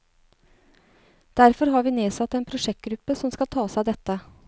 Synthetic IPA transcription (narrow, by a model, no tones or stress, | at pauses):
d̪̥æɾfɔɾɦɑɾʋiːneːsɑt̪ːeːnpʰɾʊʂɛk̚t̪̚ɡɾʉpːəsɔmskɑlt̪ʰɑːsæɪd̪ɛt̪ːə